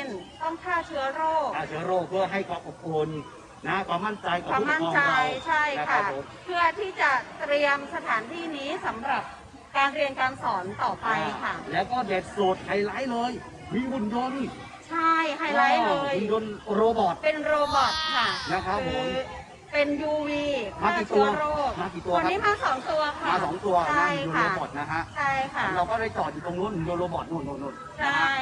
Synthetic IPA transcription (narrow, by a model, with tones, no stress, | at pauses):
e˧nt̪ɔ˥˩ŋt̪ʰaː˥˩t͡ɕʰɯ˦˥ɐɾoː˥˩k̪ʰaː˧˥˩t͡ɕʰɯ˦˥ɐɾoː˥˩k̚pʰɯ˥˩ɐɦa˥˩jkʰɔː˧˩ʔo˨˩p̚kʰo˧nː | a˦˥kwaː˧˩mːa˥˩nt͡ɕa˧jkɔ˨˧wa˧˦˧mː˥a˥˩˧t͡ɕa˧jjt͡ɕʰa˥˩jna˦˥kʰaa˦˥˩mpʰɯ˥˩ɐt̪ʰiː˥˩t͡ɕa˨˩t̪ɾi˧əmsa˧t̪ʰaː˩˦nt̪ʰiː˥˩niː˦˥sa˩˦mɾa˨˩p̚ | kaː˧nɾi˧ənkaː˧nsɔː˩˦nt̪ɔː˨˩pa˧jkʰa˥˩lɛː˦˥wkɔː˥˩de˨˩t̪̚soː˨˩t̪̚ha˧˩jlaː˦˥jlɤː˧j | miː˧bu˨˩njo˧n | t͡ɕʰa˥˩jhʰa˧jlaː˦˥jɤː˧ɯ˨˧˩njo˧nɾoː˧bɔː˨˩t̪̚pe˧nɾoː˧bɔ˨˩t̪̚kʰa˥˩kna˦˥kʰa˦˥pɯːo˧˦m | pe˧njuː˧wiː˧maː˧˩˨iː˨˩t̪u˧ɐɾoː˥˩kmaː˧˩ki˨˩t̪u˧ɐɔ˧˦niː˦˥maː˧sɔː˩˦ŋt̪u˧ɐkʰamaː˧sɔː˩˦ŋt̪u˧ɐt͡ɕa˥˩i˧ju˧aɾoː˧˩˧bɔ˨˩t̪̚na˦˥kʰa˦˥ʔt͡ɕʰa˥˩jkʰa˥˩ɾaː˧wkɔː˥˩da˥˩jt̪ɔː˨˩juː˨˩t̪o˧ŋnu˦˥˩nʔɯ˨njo˧nɾoː˧bɔ˨˩nu˧˥˩no˧˥˩no˧˩n̚t͡ɕʰa˥˩j